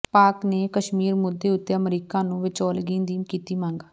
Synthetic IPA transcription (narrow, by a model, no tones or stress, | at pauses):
paːkneːkəʃmiːɾmʊd̪ːeːʊt̪ːeːəmɾiːkãːnũːʋɪt͡ʃoːlɡĩːnd̪iːkiːt̪iːmãːŋɡː